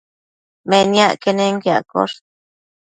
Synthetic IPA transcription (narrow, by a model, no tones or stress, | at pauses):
menjaʔkeneŋkja̰ko̰ɾ̚